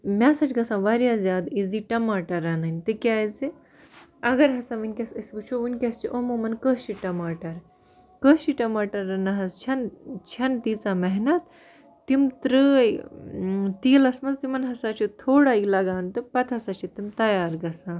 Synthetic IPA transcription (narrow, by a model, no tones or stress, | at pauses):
mʲasɐt͡ʃʰɡɐsãʋaɾjazʲjaːd̪iziʈɐmaːʈɐɾːɐːnaːnʲt̪ɨkʲaːjze | ɐɡɐɾɦɐsãʋinkʲɐsɐsʋut͡ʃʰoʋɨnkʲɐst͡ʃiʔomomɐnkəːst͡ʃiʈɐmaːʈɐɾ | kəst͡ʃiʈɐmaːʈɐɾːɐnɐɦɐst͡ʃʰɐnt͡ʃʰɐnt̪it͡samɐɦnɐt̪ː | imt̪ɾəj | t̪iːlɐsmɐzt̪imɐnɦɐsat͡ʃʰit̪ʰoːɽaːilɐɡaːnt̪ɨpɐt̪ʰɐsat͡ʃʰit̪imt̪ɐjaːɾɡɐsãː